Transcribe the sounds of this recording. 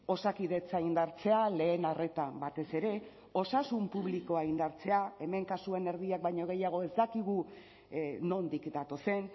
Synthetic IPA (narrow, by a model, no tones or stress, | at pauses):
o̞sakiðe̞t͡saind̪aɾt͡se̞ale̞ːnare̞t̪abat̪e̞se̞ɾe̞ | o̞sasumpuβliko̞aind̪aɾt͡se̞ae̞me̞ŋkasue̞ne̞ɾðiak̚bajɲo̞ɣ̞e̞jaɣ̞o̞e̞zd̪akiɣ̞u | no̞nd̪ikd̪at̪o̞se̞n